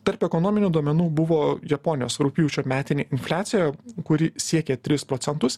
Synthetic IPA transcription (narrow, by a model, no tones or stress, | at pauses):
t̪ɐɾpɛkɔnɔːmʲɪnʲuːd̪uɔmʲɛnuːbʊʋoːjɛpɔnʲɪjoːsɾʊpʲɪjuːt͡ʃʲoːmʲæːt̪ʲɪnʲeːɪnʲfʲlʲæːt̪sʲɪjɛkʊɾʲɪsʲiɛkʲɛt̪ʲɾʲɪspɾoːt̪ʲɛnt̪ʊs